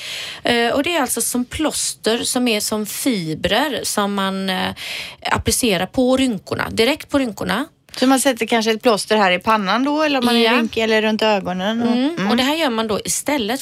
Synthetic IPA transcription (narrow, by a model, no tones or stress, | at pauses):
ɔd̪ɛːɾalt̪sɔsɔmpʰlɔst̪əɾsɔmæʂɔmfiːbɾəɾsɔmːan | a̰pːlɪseːɾaɾpʰɔɾʏŋkʊɳa̰d̪ɪɾɛk̚t̪̚pʰɔɾʏŋkʊɳa | sɔmansɛt̪ːəɾkʰanʂəɛt̪̚pʰlɔst̪əɾɦæːɾɪpʰanːand̪ɔɛlːəɾɔmaɾʏŋkəɛlːəɾɵnt̪øːɡɔnənɔd̪ɛɦæːɾjœːɾmand̪ɔʔɪst̪ɛlːət̪